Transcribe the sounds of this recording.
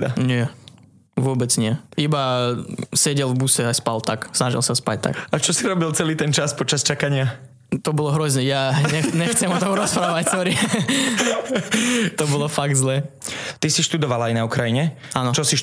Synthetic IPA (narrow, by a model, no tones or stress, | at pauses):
aɲɪɛ | ʋʊɔbɛt͡sɲɪɛiba | sɛɟɛlvbusɛaspalt̪aksnaʒḭlˠsaspa̰c̚t̪a̰kat͡ʃɔsiɾɔbilt͡sɛliːt̪ɛnt͡ʃaspɔt͡ʃast͡ʃakaɲɪa | t̪ɔbɔlɔɦɾɔzɲɛjaɲɛɲɛxt͡sɛmɔt̪ɔmuɾɔspɾaːʋacsɔɾi | t̪ɔbɔlɔfaɡ̚d̪zlɛːt̪isiʃt̪ud̪ɔʋalaajnaukɾajiɲɛ | anɔt͡ʃɔsiʃ